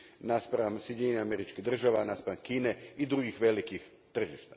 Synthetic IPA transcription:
naspɾaamsjed̪eɲeɲeameɾit͡ʃkiɦd̪r̩ʒaʋanaspɾaamkiːne̞id̪ɾuɡixʋe̞likix | t̪r̩ʒiʃt̪ḁ

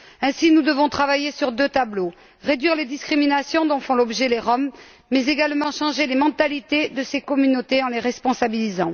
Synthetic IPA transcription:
ɛ̃sinud̪əvɔ̃t̪χavajesyʁd̪øt̪ablo | ʁed̪ɥiʁled̪iskχiminasjɔ̃d̪ɔ̃fɔ̃lɔbʒɛleʁɔmː | ɛzeɡalmɑ̃ʃɑ̃ʒelemɑ̃t̪alit̪ed̪əsekɔmynot̪eɑ̃leʁɛspɔ̃sabilizɑ̃

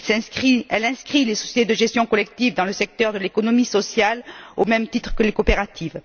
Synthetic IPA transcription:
sɛ̃iɛlɛ̃skχilesɔsjet̪ed̪əʒɛst̪jɔ̃kɔlɛk̚t̪ivd̪ɑ̃ləsɛk̚t̪œʁd̪əlekɔnɔmisɔsjalomɛmt̪it̪χə̥kəlekopeʁat̪ʰiv

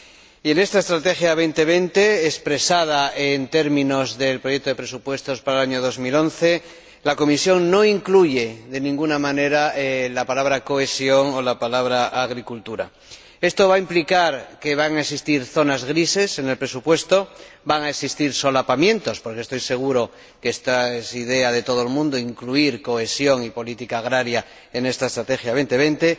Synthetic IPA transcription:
ie̞ne̞st̪ae̞st̪ɾat̪e̞xjaβ̞e̞jnt̪e̞β̞e̞nt̪e̞ːspɾe̞sað̞aent̪e̞ɾmĩno̞zðe̞lpɾojek̚t̪oðe̞pɾe̞supwe̞st̪o̞spaɾalaɲoð̞o̞zmilo̞nθe̞ | lako̞misjo̞ŋno̞iŋkluʝe̞ðe̞nĩŋɡunamãne̞ɾaelapalaβ̞ɾako̞esjo̞ŋolapalaβ̞ɾaʔaɣ̞ɾikult̪uɾa̰ | e̞st̪o̞βaimplikaɾke̞βaŋaeksist̪iɾθo̞nazɣɾise̞se̞ne̞lpɾe̞supwe̞st̪o̞ | baŋaesist̪iɾso̞lapamjẽ̞nt̪o̞spo̞ɾkest̪o̞jse̞ɣ̞uɾo̞ | kest̪aesið̞e̞að̞e̞t̪o̞ð̞oelmũnd̪oiŋkluiɾko̞e̞sjo̞ŋipo̞lit̪ikaːɣ̞ɾaɾja | ene̞st̪aest̪ɾat̪e̞xjaβ̞e̞nt̪e̞β̞e̞nt̪e̞

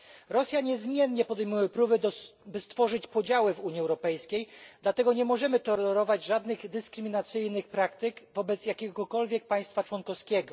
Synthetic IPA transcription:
ɾɔsʲjaɲɛzmʲjɛnɲɛpɔd̪ɛjmujɛpɾubɘd̪bɘst̪fɔʐɘt͡ɕpɔd͡ʑawɘvuɲiɛwɾɔpɛjskʲejd̪lat̪ɛɡɔɲɛmɔʐɛmɘt̪ɔlɛɾɔvad͡ʑʐad̪nɘɣd̪ɘskɾɘmʲinat̪sɘjnɘxpɾakt̪ɘkvɔbɛt̪sjakʲɛɡɔkɔlvʲjɛk̚paj̃st̪fat͡ʂwɔnkɔfskʲɛɡɔ

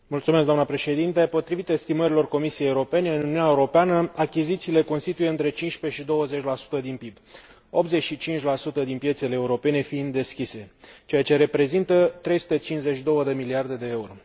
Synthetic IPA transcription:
mult̪sumeskɡ̪d̪amnəpɾe̞ʃe̞d̪int̪e̞po̞t̪ɾivit̪eest̪iməɾilo̞rko̞misijejeuɾo̞pe̞ne̞ɨnununʲaeuɾo̞peanəakʲizit̪siːle̞ko̞nst̪it̪ujeɨnt̪ɾe̞t͡ʃinʃpe̞ʃid̪o̞wəze̞t͡ʃʲlasu̥t̪əd̪inpib | o̞p̚t̪ze̞t͡ʃʃit͡ʃint͡ʃʲlasut̪əd̪inpjesele̞ːuɾo̞pe̞ne̞find̪d̪e̞skʲise̞t͡ʃe̞jat͡ʃe̞ɾe̞pɾe̞zint̪ət̪ɾe̞jsu̥t̪e̞t͡ʃint͡ʃze̞t͡ʃd̪o̞wəd̪emiliard̪e̞d̪e̞euɾo̞

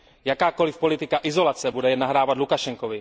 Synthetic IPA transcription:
jakaːko̞lɪfpolɪt̪ɪkaʔɪzo̞lat͡sɛbudɛjɛnːaɦɾaːvat̪lukaʃɛŋkovɪ

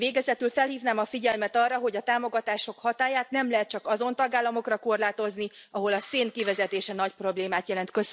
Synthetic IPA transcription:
veːɡɛzɛt̪ylfɛlɦiːvnaːmɒfiɟɛlmɛt̪ɒrːɒɦo̞ɟɒt̪aːmo̞ɡɒt̪aːʃo̞khɒt̪aːjaːt̪nɛmlɛɦɛt̪̚t͡ʃɒkɒzo̞nt̪ɒɡaːlːɒmo̞krɒko̞rlaːt̪o̞zniɒɦo̞lɒseːnkivɛzɛt̪eːʃɛnɒcpro̞bleːmaːt̪jɛlɛnt̪kø̞s

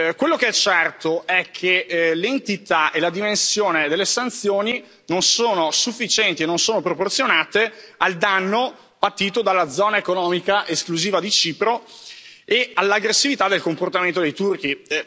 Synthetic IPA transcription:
kwelːokeɛt͡ʃːɛrt̪oɛkʰːelent̪it̪aʔelad̪imensjoːned̪elːesant̪sjoːni | nonsoːnosufːit͡ʃɛnt̪ienːonsoːnopɾoport̪sjonaːt̪eald̪anːo | bat̪ːiːt̪od̪alːad̪zɔːnaekonɔːmikaʔeskluziːvad̪it͡ʃiːpɾo | ealːaɡɾesːivit̪ad̪ːelkomport̪amẽnt̪od̪ejt̪urk̟i

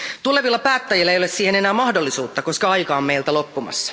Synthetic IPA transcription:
t̪ule̞ʋilːɑpæːt̪ːæjilːæejolessiːhe̞ne̞næːmɑhdolːisuːt̪ːɑko̞skɑɑjkɑommeijlt̪ælo̞pːumɑ̰sːɑ̥

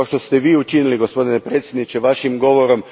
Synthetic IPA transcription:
oʃt̪ost̪eʋiːut͡ʃiniliɡo̞spo̞d̪inepɾe̞t̪sʲjed̪nit͡ʃeʋaʃimɡo̞ʋoɾo̞m

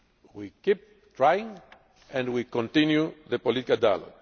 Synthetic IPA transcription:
wikip̚ | tɹajĩŋ | ɛ̃ndwikɔ̃nt̪ĩnjuðəpolit̪ikalda̰lo̰ɡ

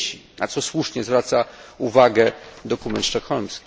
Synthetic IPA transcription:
ɕina̰t̪sɔswuʂɲɛzvɾat̪sauvaɡɛd̪ɔkumɛnt̪ʂt͡ʂɔxɔnskʲi

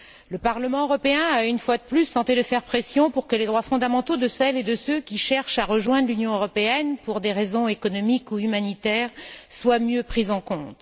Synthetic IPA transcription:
ləpaʁləmɑ̃øʁɔpeɛ̃aynfwad̪əplyst̪ɑ̃t̪ed̪əfɛʁpχesjɔ̃puʁkəled̪ʁwafɔ̃d̪amɑ̃t̪od̪əsɛled̪əsøkʲiʃɛʁʃaʁəʒwɛ̃d̪ʁlynjɔ̃øʁɔpeɛnpuʁd̪eʁezɔ̃ekɔnɔmikuymanit̪ɛːʁswamjøpχizɑ̃kɔ̃t̪

